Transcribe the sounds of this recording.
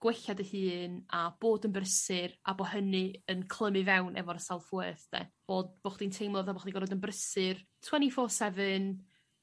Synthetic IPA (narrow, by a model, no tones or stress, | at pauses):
ɡ̥weɬadəhɨːnab̥oːdənbrəsɨra̰boɦənɨənkʰlˠəmɨvɛwnʔɛ̰vɔrəsalˠfʊɨθd̥ɛ̰b̥oːd̚b̥oːχdintʰejmlˠɔvaboχdinɡɔɾɔdənbrəsɨrtʰwɛnifoːsɛvɨn